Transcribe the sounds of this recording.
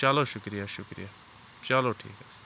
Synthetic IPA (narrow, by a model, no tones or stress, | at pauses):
t͡ʃaːloːʃʊkɾijaʃʊkɾḭjaː | t͡ʃaːloːʈʰḭːkɦɛ